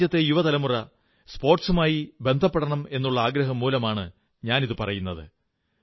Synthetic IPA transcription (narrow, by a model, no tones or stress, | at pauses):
jɐt̪ːejuʋɐt̪ɐlɐmurɐ | spo̞ːrʈsumaːjibe̞nd̪ʱɐpːeɽɐɳɐme̞nːuɭːɐaːɡɾɐɦɐmːuːlɐmaːɳɨ | ɲaːniðɨpɐrɐjunːɐðɨ̰